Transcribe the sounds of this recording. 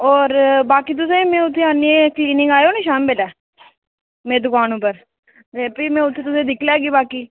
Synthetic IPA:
ɔːɾbaːkiːt̪̬ʊseːmẽːʊt̪ʰːẽaːniẽkliːnɪ̃ŋɡaːjoːniːʃaːmbɪlɛː | mẽːd̪ʊkaːnõːpəɾ | d͡ʒɛ̃ːpiːmɛ̃ːʊt̪ʰːeːt̪ʊsẽːd̪ɪkʰlɛːɡiːbaːkiː

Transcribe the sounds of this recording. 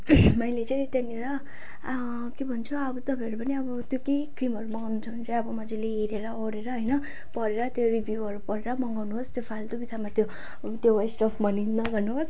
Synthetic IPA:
mʌjlet͡saĩt̪eniɾʌ | kebʱʌnt͡sʰuʌbʌt̪ʌbʰʱʌʌɾupʌniʌbʌt̪jokekrimʌɾumʌŋɡawnut͡sʰʌnit͡sʌĩʌbʌmʌd͡zeleiɾeɾʌoɾeɾʌɦʌjnʌ | pʌɾeɾʌt̪joribʱjuʌɾupʌɾeɾʌmʌŋɡawnuɦost̪jopʰalt̪obit̪ʰamat̪jo | t̪joesʈʌpʰmʌninːʌɡʌrnuɦos

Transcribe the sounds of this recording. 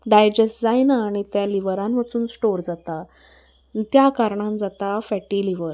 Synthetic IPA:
ɖajd͡ʑesʈd͡zajnaːɽ̃it̪jaliʋəɾãnʋat͡suːnsʈoɾd͡zat̪a | t̪jakaɾɳãnd͡zat̪afɛʈiliʋəɾ

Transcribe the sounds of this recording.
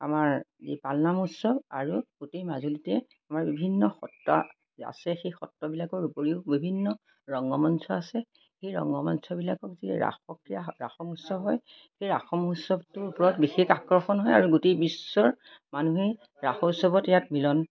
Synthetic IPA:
a̰maɹzḭpalnamusɔbaɹuɡ̥utejmazulitɛ | amaɹbibʱinːɔxɔtːɔ̰ | a̰sɛxejxɔtːɔbilakɔɹupoɹiʊbibʱinːɔ | ɹɔŋɡɔmɔnsɔasɛ | xejɹɔ̰ŋɡɔmɔnsɔbilakɔkzḭɹa̰xɔkɹijaɹa̰xɔmusɔbɦɔj | xejɹaxɔmusɔbtʊɹupɔɹɔtbixekakɹɔxɔnɦɔja̰ɹuɡutejbisːɔɹ | manuɦi | ɹaxɔusɔbɔtjatmilɔn

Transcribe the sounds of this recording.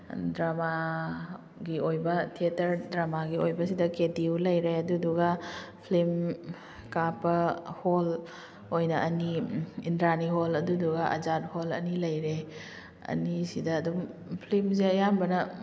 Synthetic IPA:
dɾama | ɡiojbɐtʰetɐɾdɾamaɡiojbɐsidɐkediwlɐjɾeɐduduɡapʰlim | kapɐhol | ojnɐʔɐniindɾaniɦolɐduduɡaʔɐ̰zat̚holɐ̰nilɐjɾe | ɐ̰nisidɐːdumpʰlimzeɐjambɐnɐ

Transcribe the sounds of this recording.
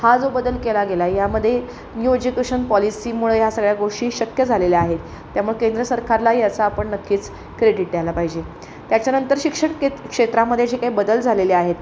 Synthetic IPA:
had͡zobəd̪əlkelaɡelajaməd̪ʱːje | njued͡ʑukeɕənpɔlisiːmuɭəjasəɡɭjaɡoʂʈiːɕəkjəd͡zʱaleleaɦet̪ː | jamuɭekend̪ɾəsəɾkaɾlajat͡saːpəɳnəkːiːt͡s | kɾeɽiʈ̚d̪jalapaɦid͡ʑe | t̪jat͡ɕjanənt̪əɾɕikʂəɳekʂet̪ɾaməd̪ʱːjed͡ʑekaɦiːbəd̪əld͡zʱaleleaɦet̪

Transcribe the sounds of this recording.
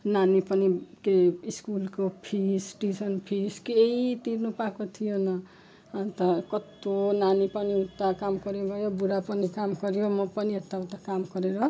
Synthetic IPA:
nanipʌnikeiskulkopʰisʈisʌnpʰiskeit̪irnupakot̪ʰijonʌ | at̪akʌt̪onanipʌniut̪ːakamkʌɾebʱʌjobuɾapʌnikamɡʌɾjomʌpʌniet̪ːaut̪akamɡʌɾeɾʌ

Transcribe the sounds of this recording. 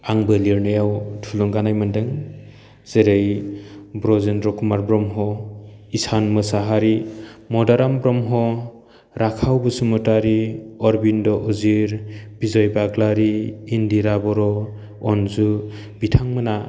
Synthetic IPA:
aŋbɯliɾnɯjawtʰulɔŋɡanajmɯndɯŋ | z̥eɾejbɾɔzenɾɔkʰumaɾbɾɔmɦɔisanmɯsaɦaɾimɔdaɾambɾɔmɦɔ | ɾakʰawbɯsumɯtaɾiɔɾbindɔʔuziɾb̥izɔjbaɡlaɾiːndiɾabɔɾɔː | nzu | b̥itʰaŋmɯna

